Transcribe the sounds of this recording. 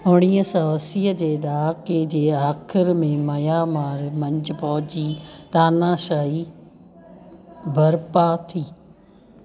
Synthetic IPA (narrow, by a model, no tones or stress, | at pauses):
ʊɽ̃ijəsɐʋəsiːəd͡ʑeːɗaːked͡ʑeːaːkʰɪɾmẽmɐjaːmaːɾmɐ̃ɲd͡ʑʊpɐɦʊd͡ʑiːt̪aːnãːʃaːi | bʱɐɾpaːt̪ʰiː